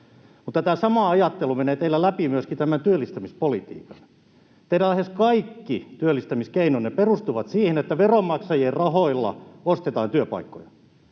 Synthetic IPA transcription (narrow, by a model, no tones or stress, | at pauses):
mut̪ːɑt̪æːsɑmɑɑjɑt̪ːelumeneːt̪eilːælæpimyøskit̪æmænt̪yølːist̪æmispolit̪ḭːkɑn | t̪eiɾælæheskɑikːit̪yølːist̪æmiskeinoneperust̪uʋɑt̪siːhenet̪ːæʋeromːɑksɑjeːrrɑhoilːɑ̰ost̪et̪ɑːnt̪yøpɑ̰ikːo̰jɑ̥